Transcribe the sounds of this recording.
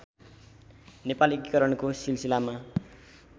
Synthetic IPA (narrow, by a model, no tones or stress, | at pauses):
nepalekikʌɾʌɳkosilsilama